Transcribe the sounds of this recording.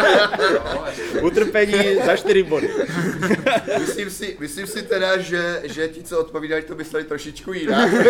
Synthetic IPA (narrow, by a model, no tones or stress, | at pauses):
ut̪r̩pɛɲiːzaʃt̪ɪɾɪbodɪ | mɪslimsɪmɪslimsɪt̪ɛdaʒɛʒɛcɪt͡soot̪̚poviːdalit̪omɪslɛlɪt̪ɾoʃɪt͡ʃkujɪna